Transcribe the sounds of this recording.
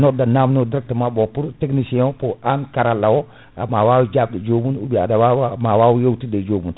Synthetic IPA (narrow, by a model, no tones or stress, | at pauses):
nɔdanamnodɾak̚tamabopuɾteknisɛ̃poankaɾalawɔ | amawawud͡ʒab̚dad͡ʒoːmunubia̰dawawmawawujewtidad͡ʒoːmun